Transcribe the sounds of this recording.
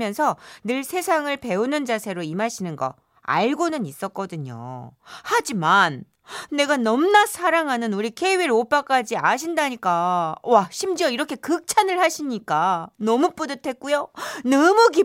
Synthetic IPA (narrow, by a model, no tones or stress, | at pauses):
jʌnsʰʌnɯɭsʰe̞sʰaŋɯɭpe̞unɯnd͡ʑasʰe̞ɾoimaɕʰinɯnɡʌ̰ | a̰ɭɡonɯnis͈ʌk̚k͈ʌdɯɲo̰had͡ʑimanː | e̞ɡanʌmnasʰaɾaŋɦanɯnuɾikʰeɥiɾop͈ak͈ad͡ʑiaɕʰindaɲik͈awaɕʰimd͡ʑiʌiɾʌkʰe̞kɯk̚t͡ɕʰanɯɭhaɕʰiɲik͈anʌmup͈odɯtʰwe̞k̚k͈ujonʌmuɡ̬i